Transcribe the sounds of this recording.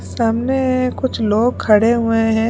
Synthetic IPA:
saːmnekʊt͡ʃʰloːɡ̚kʰɐɽeɦʊeɦɛ̃

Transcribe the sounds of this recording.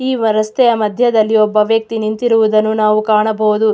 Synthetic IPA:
iːɾɐst̪ɛjɐmɐd̪ʱjɐd̪ɐlːiɔbːɐʋjɐk̚t̪inint̪iɾuʋud̪ɐnːunaːʋukaːɳɐbɐwud̪u

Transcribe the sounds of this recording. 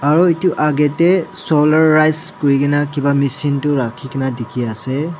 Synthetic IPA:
aɹuitʊʔaɡɛtɛsɔlaɹːajskoɹikɛnakibamisintʊɹakʰikɛnadikʰiasɛ

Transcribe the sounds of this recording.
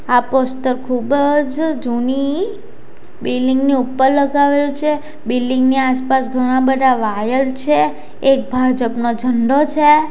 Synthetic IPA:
apost̪əɾkʰubəd͡ʒd͡ʒuni | bilːiŋɡniupːəɾləɡaʋelut͡ʃʰe | bilːiŋɡniaspasɡʱəɽ̃abəd̪ʱaʋajəlt͡ʃʰeː | k̚bʱad͡ʒəpnod͡ʒʱəɳɖot͡ʃʰe

